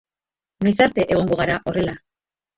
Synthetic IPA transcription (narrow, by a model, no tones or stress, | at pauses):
nojsaɾt̪e̞ʔe̞ɣ̞o̞ŋɡo̞ɣ̞aɾaʔo̞re̞la